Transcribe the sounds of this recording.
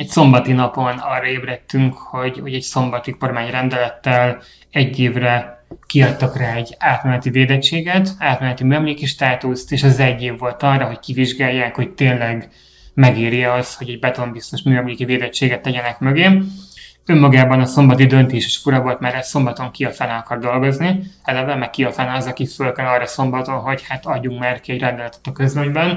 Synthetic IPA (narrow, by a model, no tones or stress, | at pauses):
ɛcso̞mbɒt̪inɒpo̞nɒːrːɒeːbrɛt̪ːyŋkho̞ɟho̞ɟɛcso̞mbɒt̪ikormaːɲrɛnd̪ɛlɛt̪ːɛl | ɛɟːeːvrɛkiɒct̪ɒkraːɛɟaːt̪mɛnɛt̪iveːd̪ɛt͡ʃːeːɡɛt̪aːt̪mɛnɛt̪imyɛmleːkiʃt̪aːt̪uːst̪eːʃɛzɛɟːeːvːo̞lt̪ɒrːɒɦo̞ckiviʒɡaːjːaːkho̞c̚t̪eːnlɛɡ | mɛɡeːɾiɒsho̞ɟɛɟbɛt̪o̞mbist̪o̞ʃmyːɛmliːkiveːd̪ɛt͡ʃːeːɡɛt̪ːɛɟɛnɛkmøɡeːm | ømːɒɡaːbɒnɒso̞mbɒt̪id̪ø̞nt̪eːʃɛʃfuɾɒvo̞lt̪maːɾɛso̞mbɒt̪o̞ŋkiɒfɛnaɒkɒrd̪o̞lɡo̞zniɛlɛvɛmɛk̚ːiɒfɛnɛɒzɒkifølkɛlɒrːɒso̞mbɒt̪o̞nɦo̞chat̪ɒɟːuŋkmaːrkiɛɟrɛnd̪ɛlɛt̪ɛ̥t̪ɒkøzveɲbɛn